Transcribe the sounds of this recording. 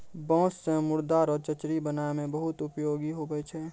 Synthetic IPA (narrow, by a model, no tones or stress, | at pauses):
bɔ̃ːssẽmʊɾd̪aːɾɔːɾt͡ʃət͡ʃɾibənaːemẽbəɦʊt̪ʊpjoːɡiɦobəet͡ʃʰɛː